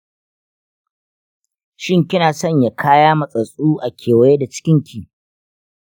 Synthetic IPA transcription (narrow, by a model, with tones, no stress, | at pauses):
ʃɪ˦ŋkʲɪ˦naː˨sɔ˦˨ɲja˨kʰaː˦jaː˦mɐ˨sʼɐ˨sʼuː˦ʔa˨kʲʰeː˨wɐ˦je˦da˨t͡ʃɪ̥˦kʲɪ˦ŋkʲiː˨